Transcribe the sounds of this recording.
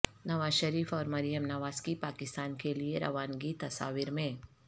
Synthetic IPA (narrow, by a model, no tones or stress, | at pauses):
nɐʋaːzʃəɾiːfɔːɾmɐɾɪjəmnɐʋaːzkipaːkɪst̪aːnkelieɾɐ̰ʋaːnɡit̪ɐsa̰ːʋiɾmẽː